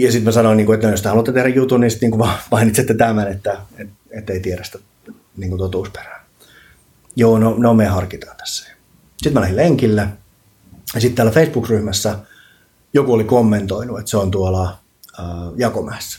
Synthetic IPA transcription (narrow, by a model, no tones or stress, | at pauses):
jɑsit̪mæsɑnoiniːŋkuet̪ːjost̪eɑlut̪ːet̪ehrɾæjut̪uninsi̥t̪niːŋkuʋɑpɑinit̪set̪ːet̪æmænet̪ːæet̪et̪ːeit̪ieɾæst̪æ | niːŋkunt̪ot̪uːspe̥ræ̥ː | joːnoneomeihɑrkit̪ɑːt̪æ̥sːæ̥jɑ̥ | sit̪mælæhileŋkilːæ | jɑsit̪t̪æːlːæfeisb̥ukryhmæsːæ | jokuolikomːent̪oinuet̪seont̪uolɑ | əːjɑkomæːsːæ̥